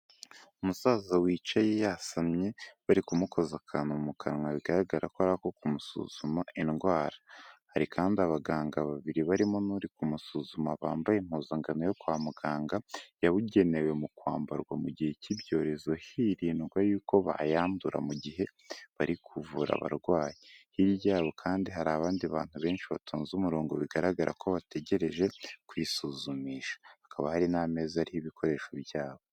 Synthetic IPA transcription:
umusaːzawiːt͡ʃajejasamɲeβaɾikumuko̞zakʰanumumukʰaɾŋaβiɡaɾaɡaɾakoaɾakokumusṵz̥umaʔinɡwaːɾḁhaɾikʰaːndiaβaɡaːŋɡaβaβiɾiβaɾimo̞nuɾikumusuːzumaβa̰ːmbajem̥hoːzaŋɡanojo̞kwaːmuɡaːŋɡajaβuɟe̞ne̞we̞mukwaːmbaɾɡwamuɟiheciβɟo̞ːɾe̞zo̞hiɾiːnɡwajuːko̞βa̰jaːmbuɾa̰muɟiɦe̞ | βaɾikʰuvuɾa̰βa̰ɾɡwaːjehiɾjaːβo̞kʰaːndiɦaɾaːβaːndiaβaːn̥huβe̞ːnʃiβatʰuːnzumuɾo̞ːŋɡo̞̰βiɡaɾaɡaɾʔa̰kʰo̞βate̞ɟe̞ɾe̞ʒe̞kwiːsuzumiːʃḁhakʰaβahaɾiname̞ːzaɾihiβikʰo̞ɾe̞ːʃo̞bjaːβo̞

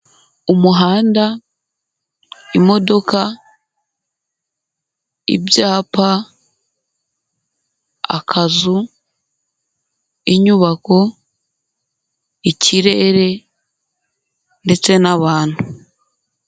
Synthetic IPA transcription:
umuɦaːnda | imo̞do̞ka | ḭbjaːpa | a̰kʰazu | iɲuβako̞ | icʰiɾe̞ɾe̞ | nde̞t͡se̞naβaːn̥hu

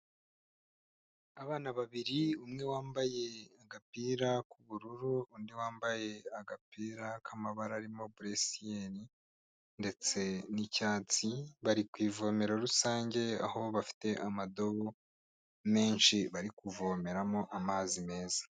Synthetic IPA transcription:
aβaːnaβaβiɾiumŋe̞waːmbaje̞aɡapiːɾakuβuɾuɾuundiwaːmbaje̞aɡapiːɾakʰamaβaɾaɾimo̞buɾesijeni | nde̞t͡se̞nicaːt͡siβaɾikwiːvo̞me̞ɾoɾusaːɲɟe̞a̰ho̞βafi̥te̞ʔamado̞βo | me̞ːnʃiβaɾikuvo̞me̞ɾamo̞ʔamaːzime̞ːzḁ

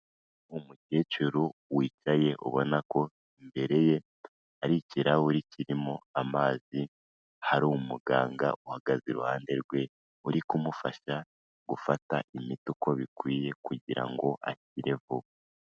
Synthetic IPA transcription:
umute̞ːt͡ʃuɾuwiːt͡ʃaje̞ʔo̰βo̞nako̞ | imbe̞ɾe̞je̞ | aɾiciɾawuɾiciɾimoamaːzi | haɾumuɡaːŋɡa̰uhaɡ̥aziɾuhaːnde̞ɾɡwe̞ | uɾikumufaʃa | ɡ̥ufataimituko̞βikwiːje̞kuɟiɾa̰ŋɡo̞ʔa̰ciɾe̞vu

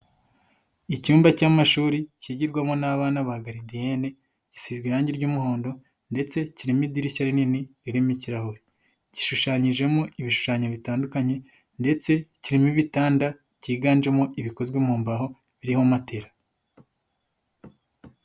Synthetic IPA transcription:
icuːmbacamaʃuːɾiciːɟiɾɡwamonaβaːnaβaɡaɾidijene̞ | ci̥siːzɡwiɾaːɲɟiɾɟuːmuho̞ːndo̞ | nde̞t͡se̞ciɾimidiɾiʃaɾininiɾiɾemiciɾahoɾi | ci̥ʃuʃaːɲiʒe̞moʔiβiʃu̥ʃaːɲoβitaːndukaɲe̞ | nde̞t͡se̞ciɾimiβitaːnda | ciːɡaːnd͡ʒemoʔiβiko̞zɡwemuːmbaɦo̞ | βiɾihomateɾa

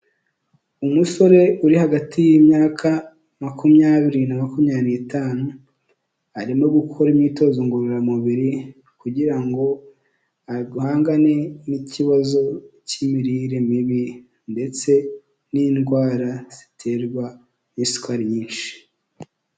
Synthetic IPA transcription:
umuso̞ɾe̞uɾihaɡatʰijimɲakʰa | makumɲaːβiɾinamakumɲanitʰaːnu | aɾimŋoɡukʰo̞ɾimɲito̞zoŋɡuɾoɾamuβiɾi | kuɟiɾaŋɡo̞ | aiɡuhaːŋɡane̞niciβazo̞cimiɾiɾemiβi | nde̞t͡se̞ | ninɡwaːɾaz̥i̥tʰe̞ːɾɡwa | nisu̥kaɾiɲiːnʃi̥

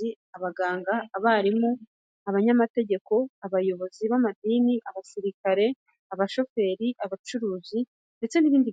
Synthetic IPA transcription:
i | aβaɡaːŋɡaːβaːɾimu | aβaɲamate̞ɟe̞ko̞aβajo̞βo̞ziβamadiːniʔaβasiɾikaɾe̞ | aβaʃo̞fe̞ːɾiʔaβat͡ʃuɾuːzi | nde̞t͡se̞niβiːndi

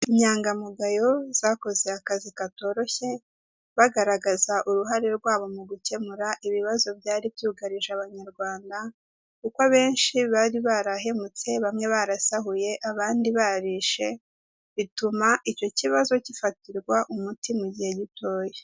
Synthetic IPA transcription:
iɲaːŋɡamuɡajo̞z̥ako̞ze̞akazikato̞ɾo̞çe̞ | βaɡaɾaɡazaʔuɾuɦaɾeɾɡwaːβo̞muɡuce̞muɾaʔiβiβazo̞bjaːɾibjuːɡaɾiʒaβaɲaɾɡwaːnda | kukaβe̞ːnʃiβaɾiβaɾaɦe̞mut͡se̞βamŋe̞βaɾasaɦuje̞ʔaβaːndiβaɾiʃe̞ | βitumaʔico̞ciβazo̞cifatiɾɡwaʔumutimuɟihe̞ɟitʰo̞ːje

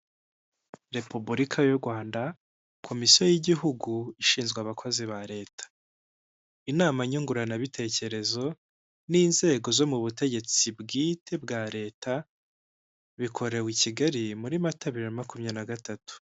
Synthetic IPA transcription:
ɾe̞pubuɾikʰajuɾɡwaːnda | kʰo̞misijo̞jiɟiɦuɡuiʃiːnzɡweaβakʰo̞ziβaɾe̞ːtḁ | inaːmaɲuŋɡuɾanaβitʰe̞ːce̞ɾe̞zo̞ | niːnze̞ːɡo̞zo̞muβute̞ɟe̞t͡sibɡiːtʰe̞bɡaːɾe̞ːtʰa | βikʰo̞ɾe̞wiciɡaɾimuɾimataβiɾemakumɲanaɡatatu̥

